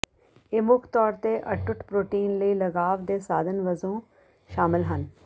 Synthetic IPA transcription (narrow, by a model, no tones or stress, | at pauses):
emʊkʰt̪ɔːɾt̪eʔɐʈːʊʈpɾoːʈiːnləilɐɡaːʋd̪esaːd̪ʱənʋəzõː | ʃaːmɪlɦən